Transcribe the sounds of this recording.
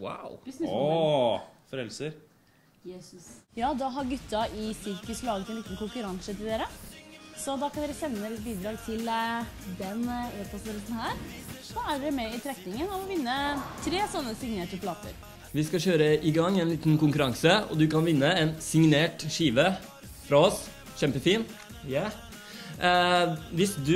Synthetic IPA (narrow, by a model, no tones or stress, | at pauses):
wa̰ʊ | fɾɛlsəɾ | jɑːd̪ɑɦɑɾɡʉt̪ːɑʔɪsɪɾkəslɑːɡət̪ɛnliːt̪n̩kʰʊŋkʉɾɑŋsət̪ʰɪld̪eːɾəsɔd̪ɑkʰɑnd̪ɛːɾəsɛnːəd̪elɪt̪̚biːd̪ɾɑːɡt̪ʰɪld̪ɛneːɔsəɾɛt̪n̩hæːɾsɔæɖɛmɛɪt̪ʰɾɛk̪nɪŋənɔʋɔʋɪnːət̪ʰɾeːsɔnːəsɪŋneːʈəpʰlɑːt̪ʰə̰ɾ | ʋɪskɑɕøːɾəʔɪɡɑŋːɛnliːt̪nkʊŋkʉɾɑŋsəɔ̰d̪ʉkɑnʋɪnːəɛnsɪŋneːʈʂiːʋə | fɾɑɔs | çɛmpəfiːn | jæ | ʋɪsd̪ʉ